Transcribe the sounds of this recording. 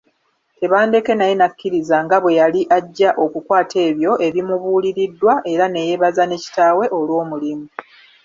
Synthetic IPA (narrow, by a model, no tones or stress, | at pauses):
te̞βaːnde̞ke̞najenakːiɾizaŋɡaβwe̞jaliʔaɟːaʔo̞kukwaːtʰe̞ːβjo̞e̞βimuβuːliɾidːwaʔe̞ɾane̞je̞βazane̞ci̥taːwe̞ʔo̞lwo̞ːmulimu